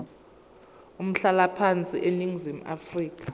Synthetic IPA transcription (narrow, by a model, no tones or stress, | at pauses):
um̩ɬalapʰant͡sʼiʔeniŋzim̩a̰friːk̬ʰʼḁ